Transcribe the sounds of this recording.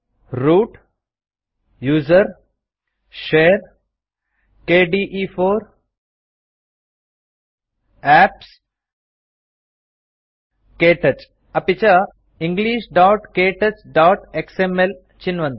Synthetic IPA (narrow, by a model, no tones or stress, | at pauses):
ɾuːʈ | juːzəɾ | ʃeːɾ | keːɖiːʔiːfoːɾ | æːps | keːʈɐt͡ʃ | ɐpit͡ʃa | ĩŋɡliːʃɖaːʈkeːʈɐt͡ʃɖaːʈeksemel | t͡ʃinʋɐ̃nd̪